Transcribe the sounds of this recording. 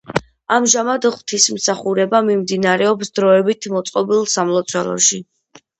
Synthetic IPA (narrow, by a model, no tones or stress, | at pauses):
amʒamad̪ʁwt̪ʰismsaχuɾɛbamimd̪inaɾɛɔpsd̪ɾɔɛbit̪ʰmɔt̪sʼqʼɔbilˠsamlˠɔt̪sʰɔɾɔ̰ʃi